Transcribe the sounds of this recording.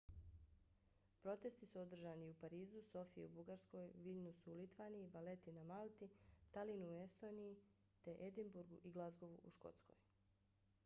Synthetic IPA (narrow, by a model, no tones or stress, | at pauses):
pɾo̞t̪e̞st̪isuo̞d̪r̩ʒaːniupaɾiːzuso̞fijḛubuɡaɾsko̞jʋiʎnusuulit̪ʋaːnijiʋale̞t̪inamalˠt̪it̪alinuue̞st̪o̞ːniji | t̪e̞ʔed̪imbuɾɡuʔiɡlˠazɡo̞ʋuʔuʃko̞̰t̪sko̞̰j